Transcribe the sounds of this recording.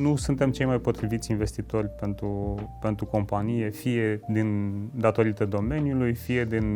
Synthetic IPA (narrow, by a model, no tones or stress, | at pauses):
nusunt̪e̞mt͡ʃe̞jmajpo̞t̪ɾivit̪sʲinve̞st̪it̪o̞rʲpe̞nt̪ɾupe̞nt̪ɾuko̞mpanije̞fije̞d̪ind̪at̪o̞ɾit̪əd̪o̞me̞njulujfije̞d̪in